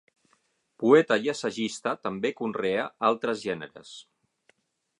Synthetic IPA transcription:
puɛt̪əiəsəʒist̪ət̪əmbekunreəalˠt̪ɾəzʒɛnə̰ɾə̰s

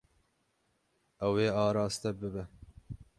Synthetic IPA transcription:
ɛweːɑːɾɑːst̪ɛbɨbɛ

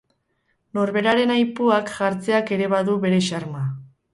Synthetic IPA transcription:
no̞ɾβe̞ɾaɾe̞najpuakʝaɾt͡se̞ake̞ɾe̞βaðuβe̞ɾe̞ʃaɾma

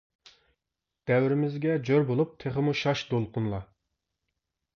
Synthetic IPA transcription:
d̪̥ɛwɾɪmɪzɡʲɛd͡ʒøɾbolˠup̚t̪ʰeχəmuʃɑʃd̪olˠqʰʊnlˠɑ

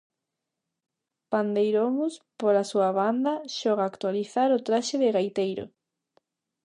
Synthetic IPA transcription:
pand̪ejɾomuspoɾasuaβand̪ɐʃɔɣ̞aːkt̪waliθaɾʊt̪ɾaʃɪðɪɣajt̪ejɾʊ̰

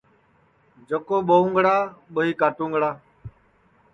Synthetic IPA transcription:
d͡ʒəkoːɓəũːŋɡɽaːɓəɦiːkaːʈũːŋɡɽaː

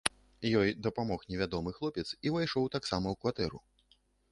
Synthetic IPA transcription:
jɔjd̪ɐpamɔxnʲɛvʲad̪ɔmɨxlˠɔpʲɛt̪sivajʂɔwt̪aksamɐwkvat̪ɛɾu

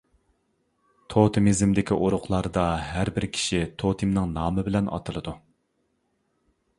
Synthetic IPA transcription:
t̪ʰot̪ʰɨmizɪmd̪ɪkʲiʔoɾʊqlˠɑɾd̪ɑɦæɾbɪɾkʲʰi̥ʃit̪ʰot̪ʰɨmnɨŋnɑːmɨbɪlɛnɑ̰t̪ʰɨlˠɨd̪u

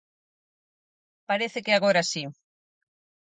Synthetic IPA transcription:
paɾeθɪkeaɣoɾasi

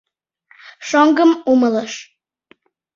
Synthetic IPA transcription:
ʃoŋɡəmumələʃ

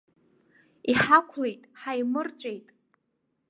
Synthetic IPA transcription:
iħakʷʰlejtʼħajmɨrt͡ɕʷʼejtʼ

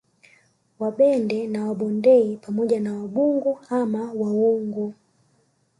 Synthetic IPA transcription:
waɓɛndɛnawaɓɔndɛipamɔʄanawaɓuŋɡuamawauŋɡu

